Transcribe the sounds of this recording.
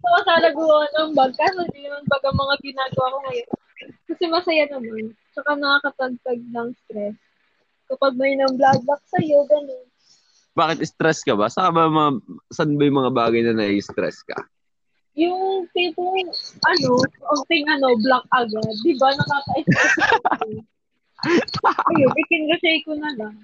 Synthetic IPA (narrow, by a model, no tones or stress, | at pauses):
sɐkɐsaːnɐɡʊɾɐanɐŋbɐɡ̚kɐsond̪inɐmanbɐɡɐŋmɐŋaɡɪnaːɡɐwakoŋɐjon | kɐsɛmɐsɐjanɐman | t͡ʃɐkanɐŋakɐt̪ɐɡ̚t̪ɐɡ̚nɐŋst̪ɾɛs | kɐpaɡ̚mɐjnɐŋblad̚lak̚sɐjo̞ɡɐno̞n | baːkɪt̪ɪst̪ɾɛskɐbasɐkabɐmɐasɐnbɐjʊŋmɐŋabaːɡɐjnɐnɐʔist̪ɾɛ̰skɐ̰ | jʊŋt̪ɪt̪oʔɐno̞ʔont̪ɪŋʔɐno̞blak̚ʔɐɡad̪̚ːɪbanɐkaːkɐʔɪst̪ɾɛs | ɐjonʔɪkɪnɡɐʃɛjkonɐlaŋ